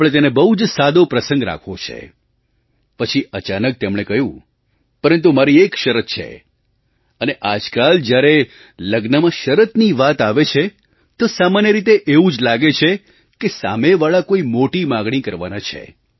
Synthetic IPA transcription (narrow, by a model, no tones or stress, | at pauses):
pɭet̪̬enebəud͡ʒsad̪opɾəsə̃ŋɡɾa̰kʰʋõt͡ʃʰḛ | pət͡ʃʰiʔət͡ʃanək̚t̪emɽ̃ekəɦjũ | pəɾənt̪umaɾiekʃəɾət̪̚t͡ʃʰḛ | əneʔad͡ʒkald͡ʒjaɾe | ləɡnəmãʃəɾət̪niʋat̪aʋet͡ʃʰe | t̪osamanjəɾit̪eʔeũd͡ʒlaɡet͡ʃʰe | kesa̰meʋaɭakoimoʈimãɡɽ̃ikəɾʋa̰nãt͡ʃʰḛ